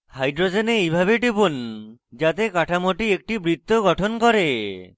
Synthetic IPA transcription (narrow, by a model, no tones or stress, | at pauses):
hajɖɾod͡ʒeneejbʱabeʈipund͡ʒat̪ekaʈʰamoʈiek̚ʈibɾit̪ːoɡɔʈʰonkɔɾe